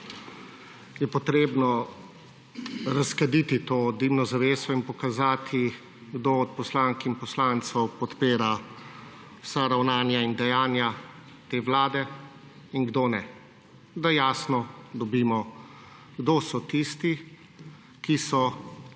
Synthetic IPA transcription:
jɛpɔt̪ɾeːbnɔ | ɾaskad̪it̪it̪oːd̪iwnɔzaʋeːsɔinpɔkazaːt̪ʰi | ɡd̪oːɔt̪̚pɔslaːŋkinpɔslaːnt̪sɔwpɔt̪peːɾa | wsaɾawnaːnjaind̪ɛjaːnja | t̪eːʋlaːd̪ɛ | iŋɡd̪oːnɛ | d̪ajaːsnɔd̪ɔbiːmɔ | ɡd̪oːsɔt̪ist̪i | kisɔ

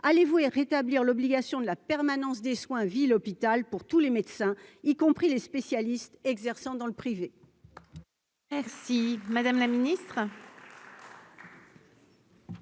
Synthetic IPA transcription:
alevueʁet̪abliʁlɔbliɡasjɔ̃d̪əlapɛʁmanɑ̃sd̪eswɛ̃vilɔpit̪alpuʁt̪ulemed̪sɛ̃ikɔ̃pχilespesjalist̪ɛɡzɛʁsɑ̃d̪ɑ̃ləpχive | mɛʁsimad̪amlaminist̪χ

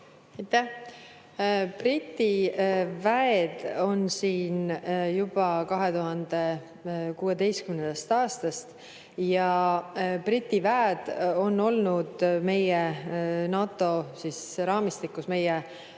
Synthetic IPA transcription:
ejt̪ːæh | prit̪ːivæed̪̥o̞nsiːnjub̥ɑkɑɦe̞t̪uɦɑnd̪e̞ | kuːe̞d̪e̞jskymnend̪̥ɑst̪ɑːst̪ɑst̪ | jɑ | prit̪ʲːivæːd̪̥o̞nːo̞lnud̪̥me̞jenɑːt̪ːˑo̞sisɾɑːmist̪ikːˑusme̞je

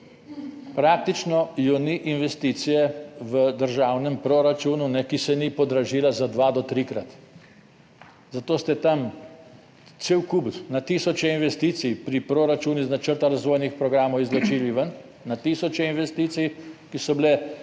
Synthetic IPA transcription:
pɾak̚t̪it͡ʃnɔjɔniʔinʋɛst̪iːt̪sijɛʋəd̪əɾʒaːwnɛmpɾoɾat͡ʃuːnunɛkisɛnipɔd̪ɾaʒiːlazad̪ʋad̪ɔt̪ɾikɾat̪ | zat̪oːst̪ɛt̪am | t̪seːwkub̪nat̪iːsɔt͡ʃɛinʋɛst̪iːt̪sijpɾipɾoɾat͡ʃuːniznat͡ʃəɾt̪aɾazʋoːjnixpɾɔɡɾaːmɔwizlɔt͡ʃiliʋən | nat̪iːsɔt͡ʃɛinʋɛst̪iːt̪sijkisɔbilɛ

